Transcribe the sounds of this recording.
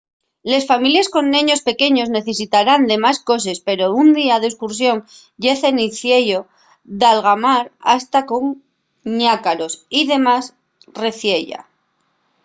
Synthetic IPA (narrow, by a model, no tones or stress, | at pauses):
le̞sfamiljesko̞nːẽɲo̞spe̞ke̞ɲo̞zne̞θe̞s̬it̪aɾand̪e̞masko̞s̬e̞spe̞ɾound̪iað̞eskuɾs̬jo̞ŋ | ɟ͡ʝe̞θe̞niθje̞ʝo̞ | ðalɣamaɾa̰st̪ako̞ŋ | ɲakaɾo̞siðe̞mas | re̞θje̞ʎa̰